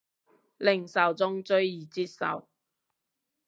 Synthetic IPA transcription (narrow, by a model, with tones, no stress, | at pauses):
lɪ˨˩ŋsɐ˨wt͡sʊ˥ŋt͡sɵ˥ɥjiː˨˩t͡siː˧˥t̚sɐ̰˨˩w